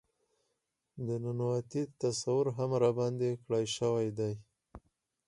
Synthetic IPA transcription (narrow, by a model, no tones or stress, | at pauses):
d̪ənʊnwat̪it̪asawʊɾɦamɾabɑnd̪ekɽajʃəwajd̪aj